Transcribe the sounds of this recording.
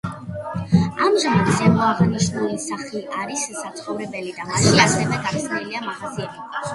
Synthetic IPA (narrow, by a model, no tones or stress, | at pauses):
amʒamat̪ʰz̥ɛmɔaʁaniʃnulisaχliʔaɾissat̪sʰχɔvɾɛbɛlid̪amaʃiasɛvɛɡat̪sʰniliamahaziɛt̪ʰi